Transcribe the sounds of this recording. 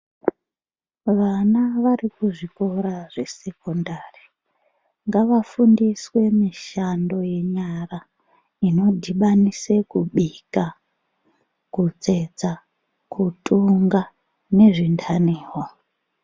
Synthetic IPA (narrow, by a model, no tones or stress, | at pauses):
ʋanaʋarikuʐiko̞ɾaʐe̞se̞ko̞ndaːri | ŋɡaʋafundiswe̞miʃando̞je̞ɲara | ino̞dʱiɓanise̞kuɓika | kut͡sed͡za | kʰutʼuŋɡa | ne̞ʐintʰaniːɦwa